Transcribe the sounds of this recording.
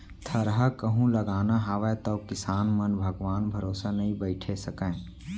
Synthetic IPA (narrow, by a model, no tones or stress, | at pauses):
t̪ʰəɾɦakəɦũləɡaːnaɦaʋɛt̪oːkɪsaːnmənbʱəɡʋaːnbʱəɾoːsanɐɦĩbəɪʈʰesəkə̃ː